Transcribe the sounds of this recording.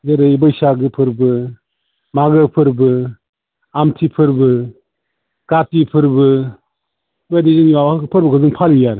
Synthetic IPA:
zɯɾɯjbɯjsaɡɯpʰɯɾbɯ | maɡɯpʰɯɾbɯ | amtʰipʰɯɾbɯ | katipʰɯɾbɯ | badizɯniwawakɯpʰɯɾbɯkʰɯzɯŋpʰalijaɾ

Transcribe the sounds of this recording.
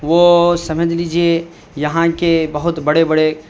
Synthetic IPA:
ʋoːsɐməd͡ʒliːd͡ʒie | jɐɦãkebɐɦʊt̪bɐɽebɐɽe

